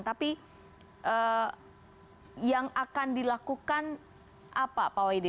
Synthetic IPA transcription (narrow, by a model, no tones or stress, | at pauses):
nt̪api | ʔə | jaŋakandilakukan | ʔapapawajdi